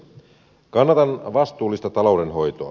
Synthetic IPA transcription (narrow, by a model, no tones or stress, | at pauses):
kɑnːɑt̪ɑnʋɑst̪uːlːist̪ɑt̪ɑlo̞wdenɦo̞jt̪oɑ̰